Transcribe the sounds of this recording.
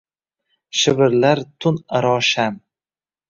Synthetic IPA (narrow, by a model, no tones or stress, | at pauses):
ʃɪvɪɾlaɾt̪ʰʊnaɾɒʃam